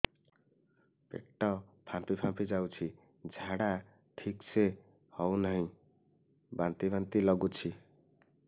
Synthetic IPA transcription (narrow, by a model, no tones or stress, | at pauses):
pḛʈːɔpʰãmpipʰãmpid͡ʒawt͡ʃʰi | d͡zʱaɽa | ʈʰikse | hɔwnɔɦĩ | bant̪ibant̪ilɔɡut͡ʃʰi